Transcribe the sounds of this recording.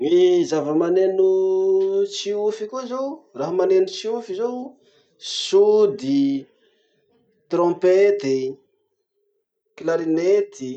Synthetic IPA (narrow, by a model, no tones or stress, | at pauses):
ŋizavəmanenu | t͡siufikʲuizowraɦamanenut͡siufizow | sud̪i | t̪rɔ̃pet̪i | klaɾinet̪i